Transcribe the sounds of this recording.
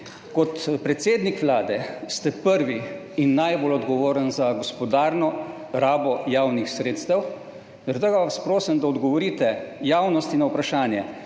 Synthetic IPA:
kɔt̪pɾɛt̪seːd̪nikʋlaːd̪ɛst̪ɛpəɾʋi | inːajbolɔd̪ɡɔʋoːɾənzaɡɔspɔd̪aːɾnɔ | ɾaːbɔjaːwnixsɾeːt̪st̪əw | zɛɾt̪əɡaʋaspɾoːsənd̪aɔd̪ɡɔʋɔɾiːt̪ɛjawnɔst̪inawpɾaʃaːnjɛ

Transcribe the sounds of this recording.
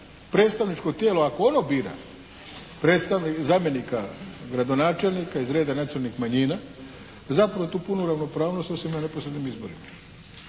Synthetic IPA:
pɾe̞ːt̪st̪aʋnit͡ʃko̞t̪jeːloako̞onobiːɾa̰ | pɾe̞ːt̪st̪aʋnizaːmje̞nikaɡɾad̪o̞naːt͡ʃe̞lʲnikaizɾe̞ːd̪anaselnixmaɲiːna | zapɾaʋot̪uːpunuɾaʋno̞pɾaːʋno̞st̪osimnaneposɾed̪nimizboɾḭma

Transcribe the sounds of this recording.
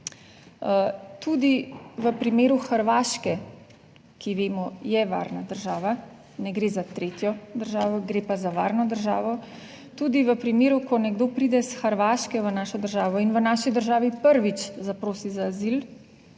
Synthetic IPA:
t̪uːd̪iʋəpɾimeːɾuxəɾʋaːʃkɛ | kiʋeːmɔjɛʋa̰ːɾnad̪əɾʒaːʋa | nɛɡɾeːzat̪ɾeːt̪jɔd̪əɾʒaːʋɔɡɾeːpazaʋaːɾnɔd̪əɾʒa̰ːʋɔ | t̪uːd̪iʋəpɾimeːɾukɔnɛɡd̪oːpɾid̪ɛsxəɾʋaːʃkɛʋənaːʃɔd̪əɾʒaːʋɔinʋənaːʃid̪əɾʒaːʋipəɾʋit͡ʃzapɾoːsizaːzil

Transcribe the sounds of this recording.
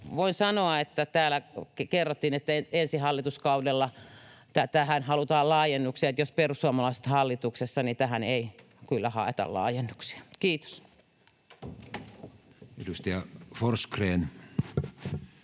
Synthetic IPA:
ʋoinsɑnoɑet̪ːæt̪æːlækkerːot̪ːinet̪ːæeensihɑlːit̪uskɑudelːɑt̪æt̪æhænhɑlut̪ɑːllɑːjenːuksiɑet̪josperusːuɑmɑlɑˑise̥t̪hɑlːit̪uksesːɑnit̪æhænei | kylːæhɑ̰ˑet̪ɑ̰llɑ̰ːjenːuksi̥ɑ̥kiːt̪o̥s | edust̪ɑjɑforskreːn

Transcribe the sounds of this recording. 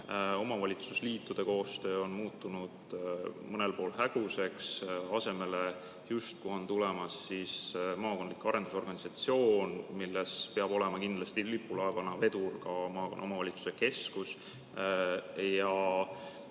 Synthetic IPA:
o̞mɑvɑlʲit̪susliːt̪ːˑud̪̥e̞ko̞ːst̪ø̞ːo̞nmuːt̪ˑːunud̪̥mɤne̞lpo̞ːlhæɡ̥use̞ksɑse̞me̞le̞ | just̪̚kuo̞nt̪ulemɑsːismɑːko̞nd̪likːˑɑɾe̞nd̪uso̞rɡɑnisɑt̪sio̞ːnmilːespeɑb̥o̞le̞mɑkind̪lɑst̪ilipːˑulɑevɑnɑve̞d̪urkɑmɑːnʔo̞mɑvɑlʲit̪su̥se̞ke̞skus | jɑ

